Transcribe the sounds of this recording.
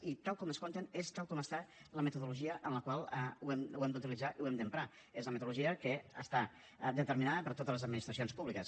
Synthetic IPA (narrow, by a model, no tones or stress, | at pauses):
it̪alˠkɔməskont̪ənest̪alˠkɔməst̪aləmət̪uðuluʒiəʔənləkwalˠɛuɛmwɛmd̪ut̪ilid͡zaʔiwɛmd̪əmpɾa | ezləmət̪uluʒiəkəə̰st̪a | d̪ət̪əɾminaðəpəɾt̪ot̪əzləzəd̪minist̪ɾəs̬ionspuβlikəs